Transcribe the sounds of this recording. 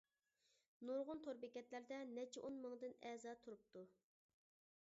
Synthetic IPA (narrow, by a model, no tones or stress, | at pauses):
nuɾʁʊnt̪ʰoɾbɪkʲɛt̪læɾd̪ɛnɛt͡ʃʰɛʔonmɨŋd̪ɨnɛzɑt̪ʰuɾup̚t̪u